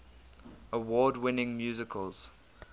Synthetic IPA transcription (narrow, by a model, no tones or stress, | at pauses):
əwɔːdwɪnɪ̃ŋmjuːzɪkʰəlˠz̥